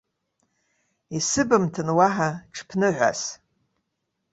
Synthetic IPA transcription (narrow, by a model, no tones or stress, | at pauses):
isɨbɨmtʰɨnwaħaʈ͡ʂʰpʰnɨʕʷa̰s